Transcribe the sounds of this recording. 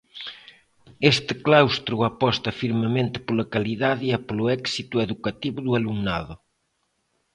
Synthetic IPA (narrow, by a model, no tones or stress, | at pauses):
est̪ɪklawst̪ɾuapɔst̪ɐfiɾmemẽnt̪ɪ̥polɐkaliðaðɪapolʊɛksit̪ueðukat̪iβʊðualuŋnaðʊ